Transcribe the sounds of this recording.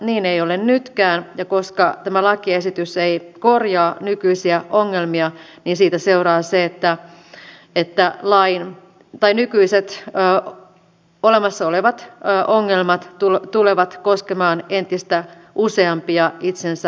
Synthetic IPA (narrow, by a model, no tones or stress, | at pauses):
niːneiolennyt̪kæːnjɑkoskɑt̪æmælɑkiesit̪yseikorjɑːnykyisiæʔoŋːelmiɑniːnsiːt̪æseurɑːseet̪ːæ | et̪ːælɑin | t̪ɑinykyiset̪ː | olemɑsːɑoleʋɑt̪ːʔoŋːelmɑt̪tult̪uleʋɑt̪koskemɑːnent̪ist̪æ | ʔuseɑmpiɑit̪sensæ